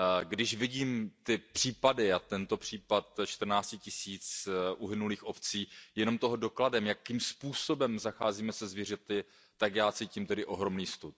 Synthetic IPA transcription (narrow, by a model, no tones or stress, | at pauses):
ɡdɪʃvɪɟiːmt̪ɪpr̝̥iːpadɪat̪ɛnt̪o̞pr̝̥iːpat̪̚t͡ʃt̪r̩naːt͡scɪcɪsiːt͡sʔuɦɪnuliːxʔo̞pt͡siːjɛno̞mt̪o̞ɦo̞do̞kladɛmjakimspuːso̞bɛmzaxaːziːmɛsɛzvir̝ɛt̪ɪ | t̪akjaːt͡siːciːmt̪ɛdɪʔo̞ɦɾo̞mniːst̪ut̪̚